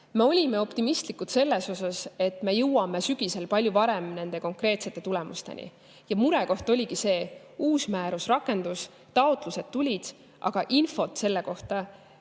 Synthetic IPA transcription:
me̞o̞lʲime̞o̞pt̪imist̪likːˑut̪se̞lːe̞so̞sɑse̞t̪ːˑme̞jɤwɑmesyɡ̥ise̞lpɑlʲjuvɑɾe̞mne̞nd̪̥e̞ko̞ŋkɾe̞ːt̪se̞t̪ːe̞t̪ule̞mṵst̪e̞̰nʲḭ | jɑmuɾe̞ko̞ht̪o̞lʲiɡise̞ː | uːsmæːɾusrɑkːˑe̞nd̪us | t̪ɑot̪ˑluse̞d̪̚t̪ulʲid̪̥ | ʔɑ̰ɡ̥ɑʔinfo̞t̪se̞lːe̞ko̞ht̪ɑ

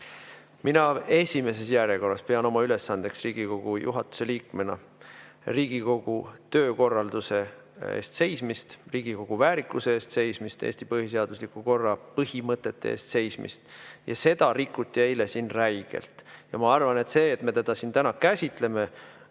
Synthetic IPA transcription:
minɑe̞sʲime̞s̬e̞sjæɾjeko̞rːɑspe̞ɑno̞mɑyle̞sːɑnd̪̥e̞ksriːɡ̥iko̞ɡ̥ujṵɦɑt̪ːˑu̥se̞liːkmenɑ̰ | riːɡ̥iko̞ɡ̥ut̪ø̞ːko̞rːɑld̪use̞ | ḛːst̪se̞jsmist̪riːɡ̥iko̞ɡ̥uvæːɾikːˑuseeːst̪se̞jsmist̪ḛːsʲt̪ipɤhise̞ɑd̪̥uslikuko̞rːɑpɤhimɤt̪ːˑe̞t̪ːe̞̰ḛːst̪se̞jsmḭst̪jɑ̰se̞d̪̥ɑɾikːˑut̪ʲːie̞jle̞sinræjɡ̥e̞̰lt̪jɑmɑɑrvɑne̞t̪se̞ːt̪me̞t̪ed̪̥ɑsint̪ænɑkæsʲit̪ˑle̞me̞

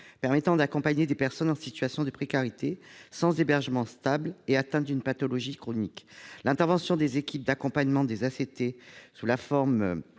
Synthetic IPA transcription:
pɛʁmɛt̪ɑ̃d̪akɔ̃paɲed̪epɛʁsɔnɑ̃sit̪ɥasjɔ̃d̪əpχekaʁit̪esɑ̃zebɛʁʒəmɑ̃st̪ableat̪ɛ̃d̪ynpat̪ɔlɔʒikχɔniklɛ̃t̪ɛʁvɑ̃sjɔ̃d̪ezekʲip̚d̪akɔ̃paɲmɑ̃d̪ezaset̪esulafɔʁm

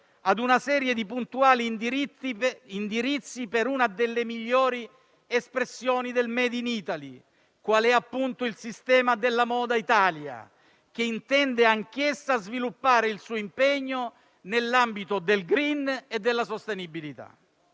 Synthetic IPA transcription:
ad̪unasɛːɾjed̪ipunt̪uaːli | ind̪iɾit̪sːipeɾunad̪elːemiʎːɔːɾi | espɾesːjɔːnid̪elmɛːd̪iniːt̪ali | kwaːlɛapːunt̪ʊilsist̪ɛːmad̪elːamɔːd̪ait̪aːlja̰ | k̟eint̪ɛnd̪eaŋk̟esːazvilupːaːɾeilsuːimpeɲːo | nelːambit̪ʊd̪elɡɾined̪ːelːasost̪enibilit̪a̰

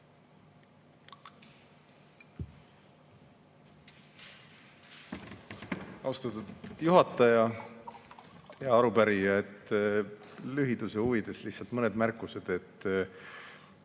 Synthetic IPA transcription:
ɑwst̪ɑt̪ud̪̥juɦɑt̪ːˑɑjɑ | jɑɑɾupæɾijɑet̪ː | lyɦid̪̥use̞uvid̪̥e̞sliht̪sɑlt̪mɤne̞d̪mærkːuse̞d̪̥e̞t̪ː

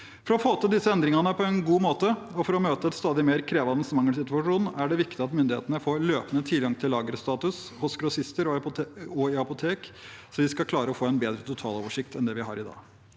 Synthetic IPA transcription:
fɔɾɔfoːt̪ʰɪld̪ɪsːəɛnd̪ɾɪŋɑnəpʰɔɛnɡuːmoːt̪əɔfɔɾɔmøːt̪əɛt̪st̪ɑːd̪ɪmeːɾkʰɾeːʋɑnəsmɑŋːəlsɪt̪ʉɑʂuːnæɖɛʋɪkt̪ɪɑt̪mʏnd̪ɪhḛːt̪ənəfoːɭøːpənət̪ʰiːɡɑŋt̪ʰɪlːɑːɡəɾst̪ɑːt̪ʉshʊskɾʊsɪst̪əɾɔɔɪɑpʊt̪ʰeːk | sɔʋɪskɑkʰlɑːɾəɔfoːɛnbeːd̪ɾət̪ʰʊt̪ʰɑːlo̰ːʋəʂɪkt̪ɛnd̪ɛʋɪɦɑ̰ɾɪd̪ɑ̰ː

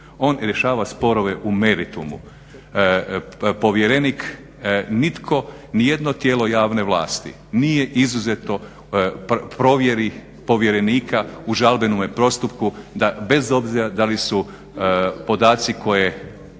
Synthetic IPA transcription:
o̞ːnɾʲje̞ʃaːʋaspo̞ɾo̞ʋe̞ʔume̞ɾit̪umṵ | po̞ʋjeɾenik | nit̪kʰo̞nije̞d̪no̞t̪jeːlo̞jaːʋne̞ʋlˠa̰ːst̪ḭ | nije̞ʔizuzet̪no̞ | ppɾo̞ʋje̞ɾi | po̞ʋje̞ɾe̞niːkʰauʒalˠbe̞nomepɾo̞st̪upkud̪abe̞zo̞bziɾad̪alisu | po̞d̪aːt̪siko̞je̞

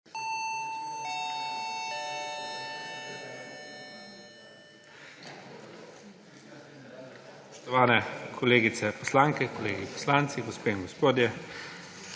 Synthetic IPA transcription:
ost̪ɔʋaːnɛkʰɔleːɡit̪sɛpɔslaːŋkɛkɔleːɡipɔ̥slaːnt̪siɡɔspeːiŋɡɔspoːd̪jɛ

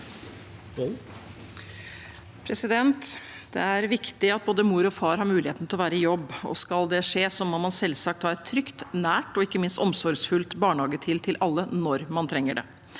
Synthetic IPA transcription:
pʰɾɛsɪd̪ɛnt̪ | d̪̥ɛ̰æɾʋɪkt̪ɪɑt̪̚boːd̪əmuːɾɔfɑːɾhɑɾmʉːlɪheːt̪n̩t̪ʰɪlɔʋæːɾəɪjɔbːɔ̰skɑld̪ɛʂeːsɔmːɑnmɑnsɛlsɑk̚t̪hɑɾt̪ʰɾʏkt̪næːʈɔɪkːəmɪnst̪ɔmsɔɾɡsfʉlt̪bɑːɳhɑːɡət̪ʰɪlt̪ʰɪlʔɑlːənɔɾmɑnt̪ʰɾɛŋːəɖɛ̰

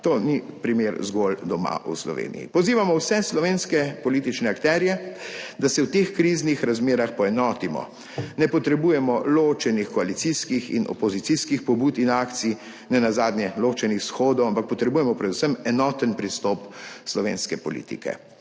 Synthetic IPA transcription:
t̪oːnipɾimeɾzɡold̪ɔma̰ʔṵslɔ̰ʋḛːnḭjḭpɔziːʋamɔwsɛslɔʋeːnskɛpɔlit̪it͡ʃnɛakt̪ɛːɾjɛd̪asɛwt̪exkɾiːznixɾazmeːɾaxpɔɛnɔːt̪imɔ̰ | nɛpɔt̪ɾɛbuːjɛmɔloːt͡ʃɛnixkɔalit̪siskixḭnɔ̰pɔzit̪siskixpɔbuːt̪inaːkt̪si | nɛnazaːd̪nʲjɛlot͡ʃɛnixsxoːd̪ɔwampak̚pɔt̪ɾɛbujɛmɔpɾɛd̪usəmɛnɔt̪ənpɾist̪ɔpslɔʋḛːnskɛpɔlḭːt̪ḭkɛ̰

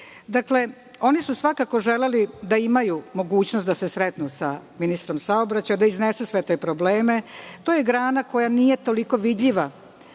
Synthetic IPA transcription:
d̪akle̞ | o̞nisusʋakako̞ʒe̞le̞lid̪aimajumo̞ɡuːt͡ɕnost̪d̪asesɾet̪nusa̰minist̪ɾo̞msaobɾat͡ɕajad̪aiznesusʋe̞t̪e̞ːpɾo̞bleːme̞t̪o̞ːje̞ɡɾaːnako̞janije̞t̪o̞liko̞ʋid̪ʎiʋa

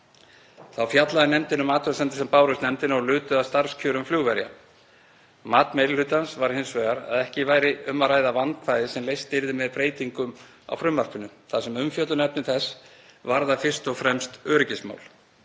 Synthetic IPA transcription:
θawfjat̪laðɪnɛmt̪ɪnːʏmaːt̪œɾsɛnt̪ɪ̥sɛmpaːwɾʏst̪nɛmt̪ɪnɔlʏːt̪ʏaðst̪aɾ̥scʰœːɾʏmfljuːɣvɛɾja̰ | maːt̪mejɾɪlʏːt̪ansvaɾ̥hɪnsvɛːɣaɾa̰ðɛhcɪvaːjɾɪʏmːaɾaːjðavant̪fajðɪsɛmlejst̪ɪɾðɪmɛðpɾeːjt̪iŋkʏm | a̰wfɾʏmvar̥pʏnʏθasɛmʏmfjœt̪lʏnɛpnɪmθɛsːvaɾðafɪr̥st̪ɔɣfɾɛmst̪œːɾʏcɪsma̰ːwl̥

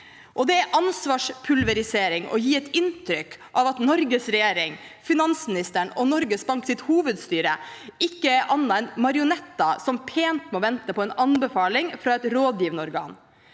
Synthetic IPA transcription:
ʔɔd̪ɛæɾʔɑnsʋɑːʂpʰʉlʋɛɾɪseːɾɪŋɔ̰jiːɛt̪ɪnt̪ʰɾʏkːʔɑʋɑt̪nɔɾɡəsɾɛjeːɾɪŋfɪnɑnsmɪnɪst̪əɳɔnɔɾɡəsbɑŋksɪt̪huːʋəd̪st̪yːɾəɪkːəʔɑnːɑɛnmɑɾɪʊnɛt̪ːɑsɔmpʰeːnt̪mɛɔːʋɛnt̪əpʰɔɛnɑnbɛfɑːlɪŋfɾɑːɛt̪ɾoːd̪jiːʋnəɔɾɡɑ̰ːn

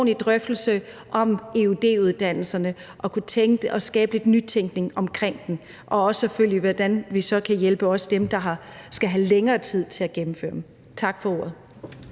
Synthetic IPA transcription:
nid̥ʁœfd̥l̩sə | ʔɒ̽me̝ud̥e̝̰ːuðˠd̥æn̰l̩sɐnə | ʔɒ̽kʰut͡sʰeŋ̥əɒ̽sɡ̥ɛ̰ːb̥əe̝d̥nyt͡sʰeŋɡ̥ne̝ŋɒ̽mkʰʁeŋ̰d̥en | ʔɒ̽ɒ̽səføl̰jəʋɒd̥ænʋisɒ̽kʰæjelb̥əɒ̽sd̥emd̥ɑ̈ɦɑ̈sɡ̥æɦæleŋɐːt͡sʰið̞̰ˠt͡sʰe̝læɡ̥emm̩fø̰ːɐ̥m̩ | t͡sʰɑ̈ɡ̥fɒ̽o̝ːɐ̰ð̩ˠ

